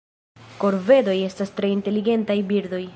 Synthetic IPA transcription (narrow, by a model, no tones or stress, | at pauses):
ko̞ɾve̞do̞je̞stastɾe̞inte̞liɡe̞ntajbiɾdo̞j